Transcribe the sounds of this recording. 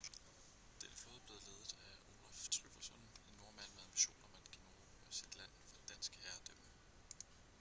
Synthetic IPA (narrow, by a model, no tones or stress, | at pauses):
d̥enəfloːðˠb̥le̝ːðˠle̝ːðˠð̩ˠæo̝ːlæft͡sʰʁyb̥ɐsɒ̽ne̝nːo̝ɐmæn̰mehæɑmb̥iɕo̝̰ːnɒmæd̥ɡ̥ino̝ː | ɒsed̥læn̰fɒd̥ed̥ænsɡ̥əhæɐd̥øm̰ə